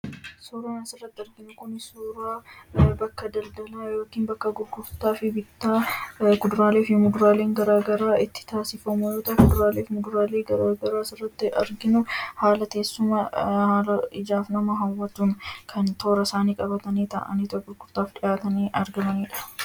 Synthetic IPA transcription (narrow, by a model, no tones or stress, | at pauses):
soɾɐːnɐsɪrːɐt̪ːɪɐɾɡɪnʊkʊnɪsoɾaːbɐkːɐd̪ɐld̪ɐlaːjo̞ːkiːnbɐkːɐɡʊɾɡʊft̪aːfɪbɪt̪ːaːɡʊd̪ʊɾaːleːfjɔmʊd̪ʊɾaːle̞ːŋɡɐɾaːɡɐɾaːɪt̪ːɪ̥t̪aːsɪfɐmʊjoːt̪ɐkʊd̪ɾaːleːfmʊd̪ʊɾaːleːɡɐɾaːɡɐɾaːsɪrːɐt̪ːɪʔɐɾɡɪnʊhaːlɐke̞ːsːʊmɐhaːlɐɪd͡ʒaːfnɐmɐɦɐwːɐt̪ʊnkʰɐnt̪o̞ːɾɐsaːniːkʼɐbɐt̪ɐniːt̪ɐ̰ʔɐ̰niːt̪ɔɡʊɾɡʊɾt̪aːfᶑɪjaːt̪ɐniːʔɐɾɡɐmɐniːᶑɐ̥